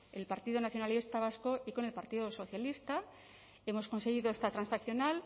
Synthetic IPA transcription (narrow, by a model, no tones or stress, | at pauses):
e̞lpaɾt̪iðonaθjo̞nalist̪aβ̞asko̞iko̞ne̞lpaɾt̪iðoso̞θjalist̪a | e̞mo̞sko̞nse̞ɣ̞iðo̞e̞st̪at̪ɾansakθjo̞nal